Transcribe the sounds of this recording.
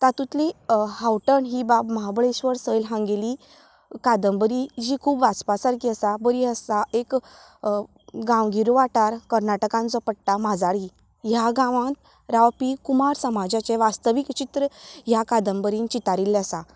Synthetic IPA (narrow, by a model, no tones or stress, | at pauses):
t̪at̪ũt̪lihawʈəɳɦibapməɦabɭesʋəɾsəjlɦãŋɡeli | kad̪əmbəɾid͡ʑikʰuːbʋaspasaɾkiəsabəɾiəsaek | ɡãwɡʱiɾuʋaʈaɾkəɾnaʈəkãnt͡sɔpəɽʈ̪amad͡zaɽi | jaɡãʋãt̪ | ɾaʋpikumaɾsəmad͡ʑat͡ɕeʋast̪əʋikt͡ɕit̪ɾəjakad̪əmbəɾiːnt͡ɕit̪aɾilasa